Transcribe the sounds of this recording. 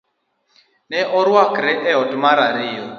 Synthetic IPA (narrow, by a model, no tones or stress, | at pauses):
nɛʔɔɾwakɾɛʔɛɔtmaɾaɾɪɔ